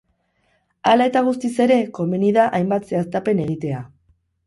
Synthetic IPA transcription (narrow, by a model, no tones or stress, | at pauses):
alae̞t̪aɣ̞us̬t̪ise̞ɾe̞ko̞meniðaʔajmbat̪se̞ast̪ape̞ne̞ɣit̪e̞a